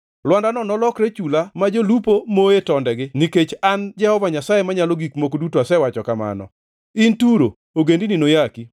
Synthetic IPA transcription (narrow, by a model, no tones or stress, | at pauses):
lwandanɔnɔlɔkɾet͡ʃulamad͡ʒolupomoetɔndɛɡɪniket͡ʃand͡ʒɛhɔvaɲasajemaɲaloɡikmokodutoasɛwat͡ʃɔkama̰nɔ̰ | intuɾo̰ | oɡendininojaki